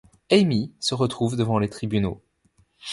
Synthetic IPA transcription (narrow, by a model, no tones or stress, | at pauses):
ɛmisəʁət̪χuvd̪əvɑ̃let̪χibyno